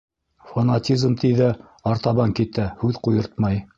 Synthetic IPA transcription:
fɐnatʲizmt̪iðæ | ɑɾt̪ɑβɑŋkit̪æhʉðqujɤ̆ɾt̪mɑj

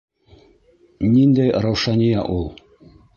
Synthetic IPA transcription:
nind̪æjɾɑwʃɑnʲijɑʔulˠ

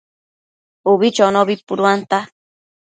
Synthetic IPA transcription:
uβit͡ʃonoβipuɾwant̪a

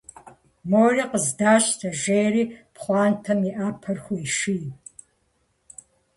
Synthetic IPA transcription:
moːriːqəzdaːɕʼtʰɐʒejɾiːpχʷɑːntʰɐmiʔaːpʰɐrxʷʊiʃiː

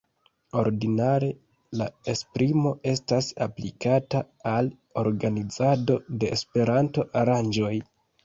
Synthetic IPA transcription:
o̞ɾdinaɾe̞ | laespɾimo̞e̞stasa̰plikataː | l | o̞ɾɡanid͡zado̞de̞ːspe̞ɾanto̞ʔaɾand͡ʒo̞j

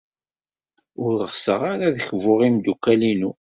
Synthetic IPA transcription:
ʊɾəʁsəʁaɾaðəçvʊʁimd̪ukːælinu

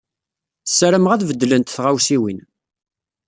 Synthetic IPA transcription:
sːɾəmʁæðvəd̪ːlənt̪θʁawsiwin

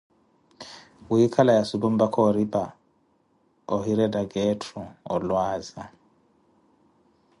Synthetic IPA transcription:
wuikʰalajasubumbakʰɔɾiba | ɔɦiɾɛdaɡɛtʰɾɔɔ̰lwaːza

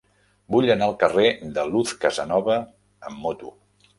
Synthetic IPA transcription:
buʎənalˠkəred̪əluθkəzənɔβəː | mːot̪u

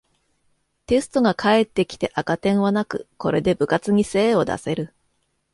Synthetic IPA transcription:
t̪e̞sɨ̥t̪o̞ɡakʰae̞t̪ːe̞kʲi̥t̪e̞ʔakat̪ẽ̞ɰ̃βanakɯ̟̰ko̞ɾe̞d̪e̞bɯ̟kat͡sɨɲ̟ise̞ːo̞d̪a̰se̞ɾɯ̟

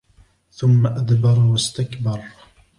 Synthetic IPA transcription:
θʊmːaʔad̪bɑɾˤwast̪akbɑɾˤ

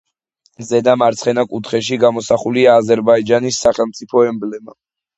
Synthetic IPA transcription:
zɛd̪amaɾt̪sχɛnakʼut̪ʰχɛʃ̬iɡamɔsaχuliaːzɛɾbaid͡ʒanisːaχɛlˠmt̪sʼipʰɔɛmblɛma

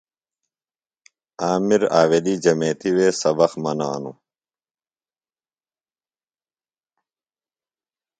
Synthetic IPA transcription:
aːmiɾaːweliːd͡ʑɐmeːt̪iweːsɐbɐxmɐnaːnṵ

